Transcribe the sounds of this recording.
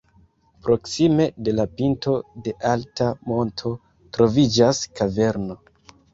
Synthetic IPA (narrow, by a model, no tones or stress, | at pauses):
pɾo̞ksime̞de̞lapinto̞de̞ʔaltamo̞ntʰo̞ | tɾo̞vid͡ʒaskave̞ɾno̞